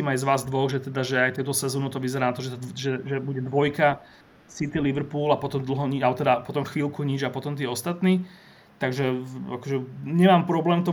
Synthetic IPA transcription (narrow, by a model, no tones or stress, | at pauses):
iːmajzʋaːzd̪ʋɔɣʒɛt̪ɛd̪aʒɛajt̪ɛʊt̪ɔsɛzɔːnɔt̪ɔʋizɛɾaːnat̪ɔʒɛʒɛʒɛbuɟɛd̪ʋɔjka | sit̪iliʋɾ̩puːlapɔt̪ɔmd̪l̩ˠɦɔɲiat̪ɛd̪apɔt̪ɔmxʋiːlkuɲid͡ʒapɔt̪ɔmt̪iːɔst̪at̪niː | t̪aɡʒɛakɔʒɛɲɛmaːmpɾɔblɛːmt̪ɔ